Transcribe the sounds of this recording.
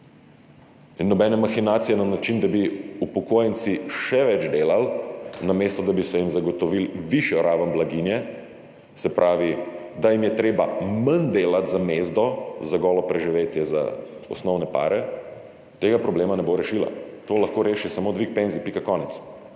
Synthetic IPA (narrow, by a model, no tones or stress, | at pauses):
inːɔbɛnɛmaxinaːt̪sijɛnanat͡ʃind̪abiupɔkoːjnt̪siʃɛʋɛd͡ʒd̪eːlalnameːst̪ɔd̪abisɔimzaɡɔt̪ɔʋilʋiʃjɔɾaːʋəmblaɡinjɛ | sɛpɾʔaːʋid̪ajimjɛt̪ɾeːba̰mand̪eːlat̪zameːzd̪ɔzaɡɔːlɔpɾɛʒiʋeːt̪jɛza̰ɔ̰snɔwnɛpa̰ːɾɛ | t̪eːɡapɾɔbleːmanɛboɾɛʃila̰t̪oːlaxkoːɾeːʃisamoːd̪ʋik̚penzipikakɔːnɛt̪s